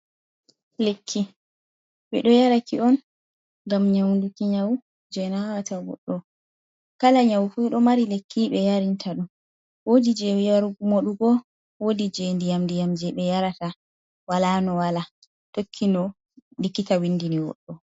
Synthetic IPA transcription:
lekʰːi | ɓɛ̰ɗɔjaɾakʰiɔn | ɡamɲawndukiɲawu | d͡ʒɛnawatawɔ̰ɗːɔ | kalaɲawfuɗɔmaɾilekʰːiɓɛjaɾintʰaɗu | wodid͡ʒɛwijaɾumoɗuɡɔ | wodid͡ʒɛndijamndijamd͡ʒɛɓɛjaɾata | walanɔwala | tokʰːinɔ | ndikːitawindiniwɔ̰ɗːɔ

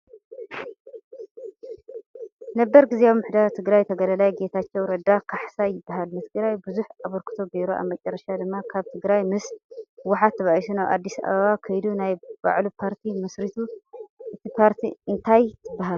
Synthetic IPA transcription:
nɐbːɐɾɡɨzeamːɨħd̪aɾt̪ʰɨɡɾajt̪ʰɐɡɐlɐlajɡe̞t̪ʰat͡ʃːɛwɾɐd̪akʰaħsajɪbːaɦalmɨt̪ʰɨɡɾajbɨzuħaβɐɾkʰɨ̥t̪ʰo̞beɾoʔa̰βmɐt͡ʃʼɐrːɐʃad̪ɨmːakʰaβt̪ʰɨɡɾajmɨswaħat̪ʰːɐβaʔisunaβʔa̰d̪ːisɐ̰ʔa̰βɐβakʰɐjd̪unajba̰ʕlupʰaɾt̪ʰimɐsɾit̪ʰuʔɨt̪ʰipʰaɾt̪ʰiʔɨnt̪ʰajt̪ʰɨbːaɦal

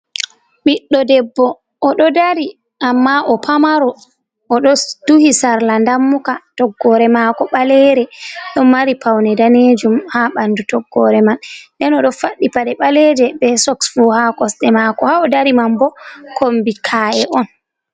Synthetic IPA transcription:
ɓiɗːɔdɛbːɔ | ʔːɗɔdaɾi | ʔamːaʔɔpʰamaɾɔ | ɔɗɔd̥uhisaɾlandamːukatɔɡːɔɾɛmakɔɓalɛɾɛɗɔmaɾipʰawnɛdaned͡ʒumhaɓandutɔɡːɔɾɛmandɛnɔɗɔfaɗːipaɗɛɓalɛd͡ʒɛbɛsɔksfuhakɔsɗɛmakɔhaɔdaɾimambɔkʰombikʰaːɛʔɔn

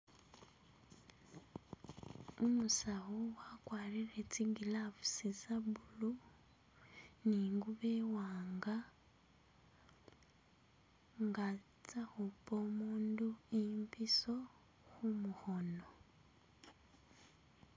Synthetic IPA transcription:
umusahowakwaːriret͡siɡilaβu̥sisaβulu | niːŋɡuβeːwaːŋɡa | ŋɡa | t͡saxupomuːnduimpiso̞ | xumuxo̞no

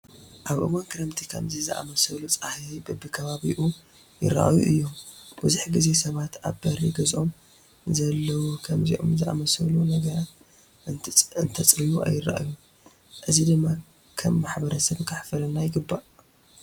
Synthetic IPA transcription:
ʔaβʔɨ̰wankɨɾɐmt̪ʰikʰɐ̰mzizɨʔa̰mɐsɐlut͡sʼahibɨbɨkʰɐβaβiʔu | jɪ̰ɾːa̰ʔa̰jṵʔɨjːombɨzuħɡize̞sɐβat̪a̰βbɐɾiɡɐzʔo̞m | zɐlːɐwukʰɐmziʔo̰mzɨʔa̰mɐsɐlunɐɡɐɾat̪ | ɨnt̪ʰɐt͡sʼɾijuʔa̰jːɪɾa̰ʔa̰ju | ʔɨzid̪ɨmːa | kʰɐmːaħbɐɾɐsɐβkʰaħfɐlɨnːajɪɡɨbːaʔ

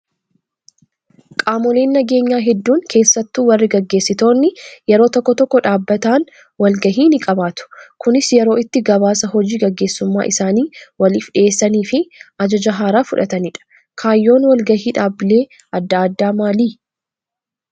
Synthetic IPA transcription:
kʼaːmɔleːnːɐɡe̞ːɲːaːɦɛd̪ːuːŋkʰe̞ːsːɐt̪ːuːwɐrːɪɡɐɡːe̞ːsːɪt̪o̞ːnːɪjɛɾo̞ːt̪ɔkːɔt̪ɔkːɔᶑaːbːɐt̪aːn | wɐlɡɐɦiːnɪkʼɐbaːt̪ʊ̥kʊnɪsjɛɾo̞ːɪt̪ːɪɡɐβaːsɐɦɔd͡ʒiːɡɐɡːe̞ːsːʊmːa̰ːʔɪsaːniːwɐlifᶑɪeːsːɐniːfɪʔɐd͡ʒɐd͡ʒɐɦaːɾaːfʊᶑɐt̪ɐnɪᶑɐ̥ | kʰaːjːo̞ːnwɐlɡɐhiːᶑaːbɪleː | ɐd̪ːaːd̪ːaːmaːliː

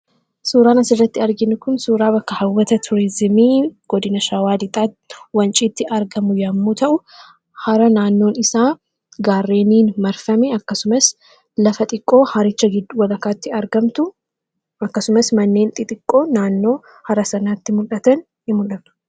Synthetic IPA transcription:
suːɾaːnɐsɪrːɐt̪ːɪɐɾɡɪnʊkʊnsuːɾaːbɐkːɐhɐwːɐt̪ɐt̪ʰʊɾɪzɪmiːɡ̥ɔd̪ɪnɐʃɐwaːd̪ɪt̪ʼaː | wɐnt͡ʃʼiːt̪ːɪʔɐɾɡɐmʊjɐmːut̪ɐʔʊ | hɐɾɐnaːnːo̞ːnɪsaː | ɡaːrːeːniːnmɐɾfɐmɛɐkːɐsʊmɐs | lɐfɐt̪ʼɪkʼːo̞ːhɐɾɪt͡ʃːɐɡɪd̪ːʊwɐlɐkaːt̪ːɪɐɾɡɐmt̪ʊ | ɐkːɐsʊmɐsmɐnːe̞ːnt̪ʼɪt̪ʼɪkʼːo̞ːnaːnːo̞ː | hɐɾɐsɐnaːt̪ːɪmʊlɐt̪ɐn | hɪmʊlːɐt̪ʊ̥

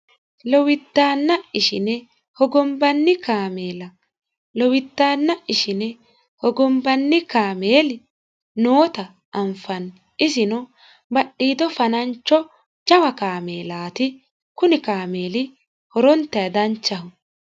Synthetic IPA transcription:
lɔwɪt̪ːaːnːɐɪʃɪnɛ | hɔɡɔmbɐnːɪkaːmeːlɐ | lɔwɪt̪ːaːnːɐɪʃɪnɛ | hɔɡɔmbɐnːɪkaːmeːlɪ | noːt̪ɐ | ʔːmfɐn | ɪsɪnɔ | bɐɗːiːd̪ɔfɐnɐnt͡ʃːɔ | d͡ʒɐwɐkaːme̞ːlaːt̪ɪ | kʊnɪkaːme̞ːlɪ | hɔɾɔnt̪ːɐjɐd̪ɐnt͡ʃːɐhʊ

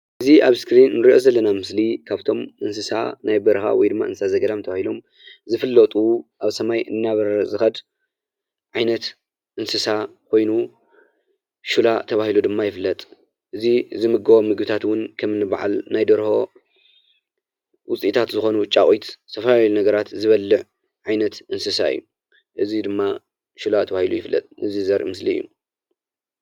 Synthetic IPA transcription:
ʔɨziʔaβskɾinːɨɾiʔo̞zɐlːɐnamɨslikʰaβt̪ʰo̞mʔɨnsɨsa̰najbɐɾxa̰wɔjd̪ɨmːa̰ʔɨnsɨsazɐɡɐd̪amt̪ʰɐβahilo̞m | zɨfɨlːɐt̪ʼuʔaβsɐmajʔɨ̰nːaβɐɾɐzɨxɐd̪ | ʕajnɐt̪ | ʔɨnsɨsakʰo̞jnu | ʃulat̪ʰɐβahilud̪ɨmːajɪfɨlːɐt̪ʼ | ʔɨzizɨmɨɡɐwomɨɡbɨt̪ʰat̪wʊnkʰɐmɨnɨba̰ʕa̰lnajd̪ɐɾho̞ | wʊt͡sʼit̪ʰat̪zɨxo̞nut͡ʃʼaχʼit̪sʰɐfɐlanɐɡɐɾat̪zɨβɐlːɨʕ | ʕajnɐt̪ʔɨnsɨsa̰ɨ̰jːu | ʔɨzid̪ɨmːa | ʃulat̪ʰɐβahilujɪflːɐ̰t̪ʼɨ̰zizɐɾʔḭmɨslijːṵ

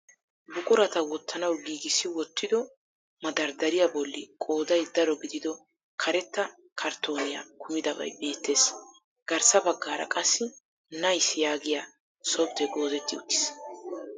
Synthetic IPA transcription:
bʊkʼʊɾɐt̪ɐwɔt̪ʰːɐnɐwɡiːɡɪsːɪwɔt̪ʰːɪd̪ɔ | mɐd̪ɐɾd̪ɐɾɪjabɔlːɪkʼoːd̪ɐjd̪ɐɾɔɡɪd̪ɪd̪ɔ | kʰɐɾɛt̪ːɐ | kʰɐɾt̪ʰo̞ːnɪja̰kʰʊmɪd̪ɐbɐ̰jbe̞ːt̪ːe̞ːs | ɡ̥ɐɾsɐbɐɡːaːɾɐ̰kʼɐsːɪ | nɐjsɪjaːɡɪja | sɔb̚d̪ɛɡo̞ːzɛt̪ːɪʊt̪ːɪ̥s

